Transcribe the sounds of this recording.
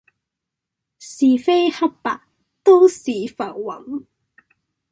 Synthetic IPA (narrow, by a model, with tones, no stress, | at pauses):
siː˨fe˥jhɐ˥p̚pa̰ː˨k̚ | t̪o˥wsiː˨fɐ˨˩wwɐ˨˥ŋ